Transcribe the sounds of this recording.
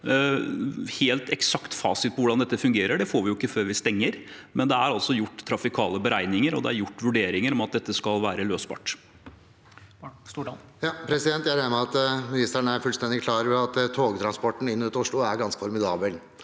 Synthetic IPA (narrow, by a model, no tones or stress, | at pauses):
heːlt̪ɛksɑkt̪fɑ̰ːsɪt̪̚pʰɔʋʊɖɑnd̪ɛt̪ːəfʉŋɡeːɾəɖɛfoːɾʋɪjʊɪkːəføːɾʋɪst̪ɛŋːəɾ | mɛnd̪ɛæɾɑlsɔjʊʈːt̪ʰːɾɑfɪkʰɑːləbəɾæɪnɪŋəɾɔ̰d̪ɛæɾjʊʈːʋʉɖeːɾɪŋəɾɔmɑt̪̚d̪ɛt̪ːəskɑlʋæːɾəløːsbɑ̰ːʈ | jɑpʰɾɛsɪd̪ɛnt̪jæɾænəmɛɑt̪mɪnɪst̪æɳæɾfʉlst̪ɛnd̪ɪkʰlɑːɾʋɛɑt̪t̪ʰːoːɡt̪ʰɾɑnspɔʈːn̩ɪnːʉːt̪ʊʂɭʊæɾɡɑnskəfɔɾmɪd̪ɑːbəl